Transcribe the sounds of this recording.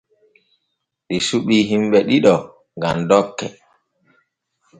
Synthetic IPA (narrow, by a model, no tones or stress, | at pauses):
ɗisuɓiːɦimɓɛɗiɗɔ | ŋɡa̰mdɔkːɛ